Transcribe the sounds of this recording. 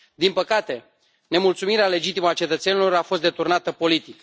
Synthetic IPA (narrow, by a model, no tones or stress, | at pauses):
d̪inpəkat̪e̞ | ne̞mult̪sumiɾeale̞d͡ʒit̪iməat͡ʃe̞t̪ət̪se̞nilo̞ɾafo̞st̪d̪e̞t̪urnat̪əpo̞lit̪ik